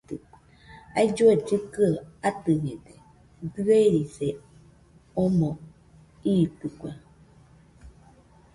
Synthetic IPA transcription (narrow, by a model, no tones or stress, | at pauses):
t̪ɨ | a̰id͡ʒoed͡ʒɨkɨaat̪ɨɲẽd̪e | dɨeɾise | ɔmɔ̃ | iːt̪ɨkwa